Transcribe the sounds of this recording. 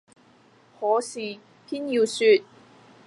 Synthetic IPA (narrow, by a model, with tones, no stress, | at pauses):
hɔː˨˧˥siː˨ | pʰiː˥nji˧wsyː˧t̚